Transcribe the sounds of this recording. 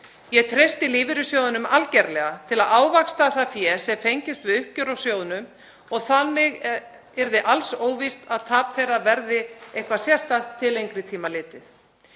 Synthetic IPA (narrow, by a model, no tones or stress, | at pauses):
jɛɣt̪ʰɾejst̪ɪliːvɪɾʏsjoːwðʏnʏmalcɛɾlɛɣat̪ʰɪlaðaːwvakst̪aθafjɛːsɛmfejɲcɪst̪vɪʏhcʏɾawsjoːwðʏnʏm | ɔɣθanːɪɣ | ɛɾðɪʔalsoːwvist̪aðt̪ʰaːpθejrːavɛɾðɪejhkvasjɛst̪at̪ʰːɪlejŋkɾɪt̪ʰiːmalɪːt̪ɪθ